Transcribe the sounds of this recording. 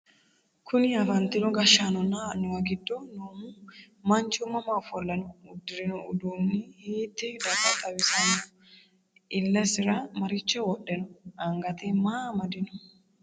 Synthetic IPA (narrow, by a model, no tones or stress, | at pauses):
kʰʊnɪɐfɐnt̪ɪnɔɡɐʃaːnɔnanʊwɐɡɪd̪ːɔnoːmu | mɐnt͡ʃʊmɐmafɔlːɐnʊʊd̪ːɪɾɪnʊʊd̪uːnːɪhiːt̪ːɛd̪ɐbɐt̪ʼːɐwɪsɐnʊ | ʔɪlːɐsɪɾɐmɐɾɪt͡ʃːɛwɔɗːɛnʊɐŋɡɐt̪ɛmaːmɐd̪ɪnʊ̥